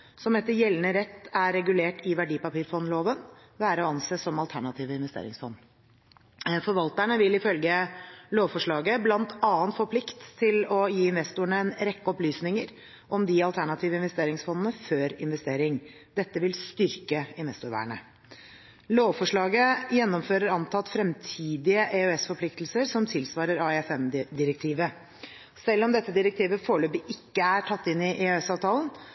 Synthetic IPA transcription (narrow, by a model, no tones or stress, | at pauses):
sɔmɛt̪ːəɾjɛlnəɾɛt̪ːæɾːɛɡʉleːʈɪʋæɖiːpɑpiːɾfɔnːloːʋənʋæːɾəɔɑnseːsɔmɑlt̪ʰæɳɑt̪ʰiːʋəɪnʋɛst̪ḛːɾɪ̰ŋsfɔnː | fɔɾʋɑlt̪æɳəʋɪlɪfœlɡəloːʋfɔʂɭɑːɡəblɑnt̪ʰɑːənt̪fɔɾpʰlɪkt̪ʰːɪlɔjiːɪnʋɛst̪ʊɳəɛnɾɛkːəɔplyːsnɪŋəɾ | ʔɔmd̪ɪɑlt̪ʰæɳɑt̪ʰiːʋəɪnʋɛst̪eːɾɪŋsfɔnənəføːɾɪ̰nʋɛst̪eːɾɪŋ | d̪̥ɛt̪ːəʋɪlst̪ʏɾkəɪnʋɛst̪ʊɾʋæ̰ːɳə̰ | loːʋfɔʂɭɑːɡəjɛnːɔmføːɾəɾɑnt̪ʰɑt̪ːfɾɛmt̪ʰiːd̪ɪəʔɛøɛsfɔpʰlɪkt̪lsəɾsɔmt̪ʰɪlsʋɑːɾəɾɑɛɛfɛmd̪ɪɾɛk̚t̪ʰiːʋə | sɛlːɔmd̪ɛt̪ːəd̪ɪɾɛk̚t̪ʰiːʋəfoːɭøːpəɪkːəæʈʰɑt̪ːɪnːɪʔeøɛsɑːʋt̪ʰɑːlən